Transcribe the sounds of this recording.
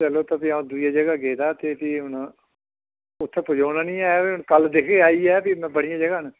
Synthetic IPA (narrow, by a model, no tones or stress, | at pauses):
t͡ʃəloːt̪aːpiaũːd̪ujaːd͡ʒəɡaːɡeːd̪aːt̪eːpiːɦʊn | ʊt̪ʰːeːpʊd͡ʒaːnaːnĩːaːjapiʊɳkəld̪ekʰeːaːiːɛːpimɛ̃bəɽijãːd͡ʒəɡaːn